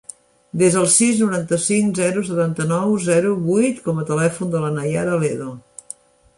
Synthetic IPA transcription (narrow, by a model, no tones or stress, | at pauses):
d̪ezðəlˠsiznuɾant̪əsiŋzɛɾusət̪ant̪ənɔwzɛɾuβujt̪kɔmət̪əlɛfund̪ələnəja̰ɾəleðo